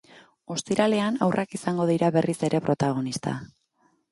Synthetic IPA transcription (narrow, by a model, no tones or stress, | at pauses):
o̞st̪iɾale̞anawrʔakisaŋɡo̞ðiɾaβe̞rʔise̞ɾe̞pɾo̞t̪aɣ̞o̞nist̪a̰